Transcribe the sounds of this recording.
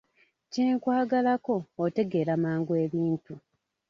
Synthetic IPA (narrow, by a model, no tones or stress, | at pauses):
ciŋkwaːɡalako̞ːte̞ɡe̞ɾamaːŋɡueβiːntu